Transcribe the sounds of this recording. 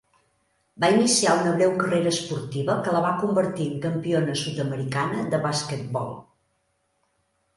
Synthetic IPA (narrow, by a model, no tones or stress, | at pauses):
bainisiaunəβɾɛwkəreɾəspuɾt̪iβəkələβakumbəɾt̪iəŋkəmpionəsut̪əməɾikanəd̪əβaskət̪̚bɔ̰lˠ